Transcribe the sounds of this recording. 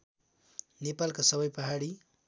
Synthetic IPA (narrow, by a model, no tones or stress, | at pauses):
nepalkosʌβʌjpʌɦaɽi